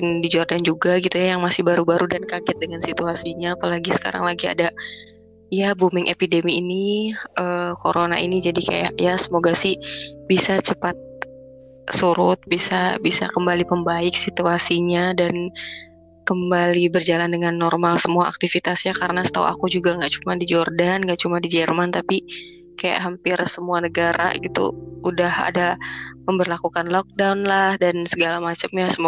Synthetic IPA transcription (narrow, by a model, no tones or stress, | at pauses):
ɪndid͡ʒardand͡ʒuɡaɡit̪ujajaŋmasɪhbaɾubaɾudankaɡɪt̪̚dəŋansit̪uasiɲaːpalaɡisə̥ka̰ɾa̰ŋlaɡia̰da | jabumɪŋʔḛpidemiːniʔəːkoɾona̰ʔinid͡ʒadika̰ja̰ʔjasəmoɡasɪhbisat͡ʃəpat̪̚ | suɾʊt̪̚bisabisa̰kəmbalipəmbaɪk̚sit̪uasiɲadan | kəmbalibərd͡ʒalandəŋanːɔrmalsəmuaʔa̰k̚t̪ifit̪asɲakaɾənasə̥t̪aw̰ʔa̰kud͡ʒuɡaŋɡaʔt͡ʃumadid͡ʒɔrdanŋɡaʔt͡ʃumadid͡ʒɛrmant̪api | kaja̰ʔɦampɪrsəmuanəɡaɾa̰ɡit̪ṵudaha̰daməmbərlakukanlɔk̚daunlahdansəɡalamat͡ʃəmɲasəmo